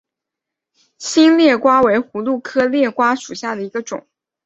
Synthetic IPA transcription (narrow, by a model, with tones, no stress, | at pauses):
ɕi˥nljɛ˥˩kwa˥we˧˥ɪxu˧˥lu˥˩kʰɤ˥ljɛ˥˩kwa˥ʂu˨˩ɕja˥˩d̪ə˩i˧˥ɡə˧ʈ͡ʂʊ̰˨˩˦ŋ